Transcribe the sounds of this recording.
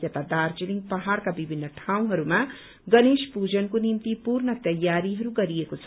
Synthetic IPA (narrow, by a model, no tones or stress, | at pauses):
t̪ʌt̪ad̪ard͡ziliŋɡpʌɦaɽkabibʱinːʌʈʰaw̃ɦʌɾuma | ɡʌnespud͡zʌnkonimt̪ipurnʌt̪ʌjːaɾiɦʌɾuɡʌɾiekot͡sʰʌ